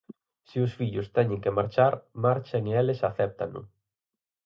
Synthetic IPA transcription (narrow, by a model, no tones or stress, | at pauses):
siʊsfiʎʊst̪ɛɲɪ̃ŋkemaɾt͡ʃaɾmaɾt͡ʃeŋeelɪsaθɛp̚t̪anʊ̰